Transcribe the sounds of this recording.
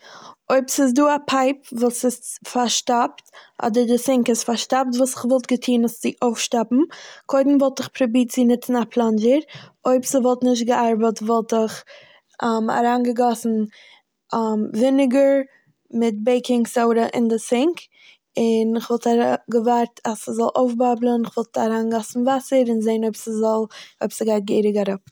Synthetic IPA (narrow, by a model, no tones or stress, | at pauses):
oɪpsɪs̬duːapʰaɪpvuːsɪsfaɾʃtaptʔɔ̰dəɾdɪsɪŋkɪstfaɾʃtap̚tvuːsɪχvɔlˠtɡətʰiːnəst͡sɪʔoʊfʃtapm̩kʰoɪdn̩vɔlˠtɪχpɾɔbiːt͡sɪnɪt͡sn̩apʰlˠand͡ʒəɾoɪpsɪvɔlˠtnɪʃ̬tɡəʔaɾbətvɔlˠtɪχ | ama̰ɾaːnɡəɡɔsn̩ | mvɪnɪɡəɾ | mɪt̚beɪkɪŋsoʊɾəʔɪ̰ndɪsɪŋk | ɪnɪχvɔlˠtaɡəvaɾtʰasəzɔlˠʔoʊfbablˠənɪχvɔlˠtʰaɾaːnɡɔsn̩vasəɾɪnzeɪnoɪbsəzɔlˠoɪbsəɡaɪt̚ɡeɪɾɪɡaɾəp